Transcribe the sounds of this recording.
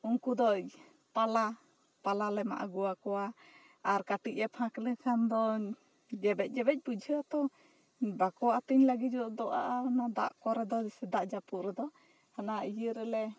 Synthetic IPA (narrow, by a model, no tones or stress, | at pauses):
uŋkud̪ɔc | pala | palalɛma̰ʔa̰ɡuwakɔwa | aɾkaʈic̚ɛpʰãkləkʰand̪ɔ | d͡ʒɛbɛc̚ˀd͡ʒɛbɛc̚ˀbud͡ʒʱəat̪ɔ | bakɔwaat̪əɲlaɡid͡ʒɔd̪ɔʔaʔanad̪a̰ʔkɔɾɛd̪ɔsɛd̪aʔd͡ʒapuɾɛd̪ɔ | hanaijəɾɛlɛ